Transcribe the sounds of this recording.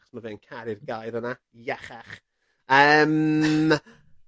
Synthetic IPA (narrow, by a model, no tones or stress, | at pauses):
χsmaveːnkʰaɾɪrɡajðəna | jɛχaχ | əːm